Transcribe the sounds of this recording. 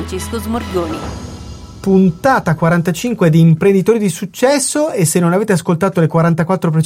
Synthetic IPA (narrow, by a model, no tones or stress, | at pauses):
nt͡ʃeskozmorɡoːni | punt̪aːt̪akwaɾant̪at͡ʃiŋkwed̪iːmpɾend̪it̪oːɾid̪isut͡ʃːɛsːoesːenːonaveːt̪easkolt̪aːt̪olekwaɾant̪akwat̪ːɾop̬ɾet͡ʃ